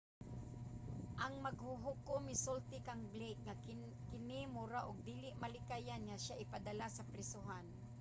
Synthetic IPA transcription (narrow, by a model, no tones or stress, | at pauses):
ʔɐŋmaɡhʊɦʊkʊmɪsʊlt̪ɪkaŋblek̚ŋa | kɪnɪmʊɾaʔʊɡ̚d̪iːlɪʔmalɪkajanŋaʃaʔɪpad̪ɐlasɐpɾɛsʊɦan